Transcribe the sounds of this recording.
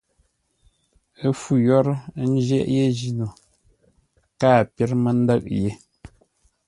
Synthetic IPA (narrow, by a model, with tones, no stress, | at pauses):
ə˦fu˨jɔ˦ɾn̩˦d͡ʒɛ̰˦ʔje˦d͡ʒi˨no˨ | kaː˦˨pje˦ɾmə˨n̩˦də˦ʔ̚je˨